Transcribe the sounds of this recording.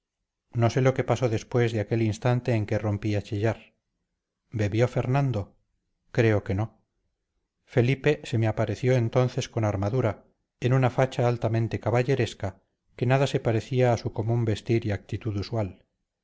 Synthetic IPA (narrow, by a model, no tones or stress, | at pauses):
no̞se̞lo̞ke̞paso̞ðe̞spwe̞zðeake̞linst̪ant̪e̞ːŋkero̞mpiat͡ʃiʎaɾ | be̞βjo̞fe̞ɾnãnd̪o̞ | kɾe̞oke̞no̞ | fe̞lipe̞se̞meapaɾe̞θjo̞e̞nt̪o̞nθe̞sko̞naɾmaðuɾa | enunafat͡ʃaːlt̪amẽnt̪e̞kaβaʎe̞ɾe̞ska | ke̞naðase̞paɾe̞θiaːsuko̞mũmbe̞st̪iɾiak̚t̪it̪uðuswal